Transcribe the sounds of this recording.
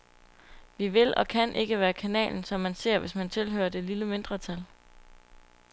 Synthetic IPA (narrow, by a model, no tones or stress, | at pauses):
ʋiʋe̝lɒ̽kʰænʔe̝ɡ̥əʋæːɐkʰænɛ̰ːln̩sɒ̽mːænse̝ɐ̰ʋe̝smænt͡sʰe̝lɦø̰ːɐd̥e̝liləme̝nd̥ʁɐt͡sʰæl